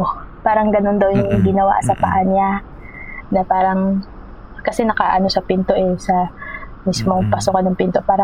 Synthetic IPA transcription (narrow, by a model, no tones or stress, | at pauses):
paːɾɐŋɡɐno̞nd̪ɐwjʊŋɡɪnɐwa̰ʔsɐpaʔanɪa | nɐpaːɾɐŋ | kɐsɛnɐkaːʔɐno̞sɐpɪnt̪o̞ʔɛsɐmismo̞ŋpɐsʊkɐnɐŋpɪnt̪o̞paːɾɐ